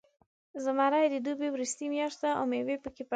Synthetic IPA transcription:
zəmaɾajd̪id̪ubiwɾist̪imjaʃt̪aʔɔ̰mewepəkip

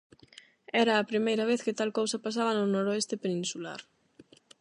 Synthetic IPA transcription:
ɛɾɐːpɾimejɾɐβ̞eθkɪt̪alkowsɐpas̬aβ̞ɐnʊnoɾoest̪epenĩnsula̰ɾ

